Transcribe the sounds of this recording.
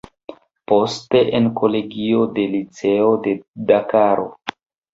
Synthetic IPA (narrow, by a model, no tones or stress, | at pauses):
po̞ste̞ʔenkʰo̞le̞ɡio̞de̞lit͡se̞o̞de̞dakaɾo̞̰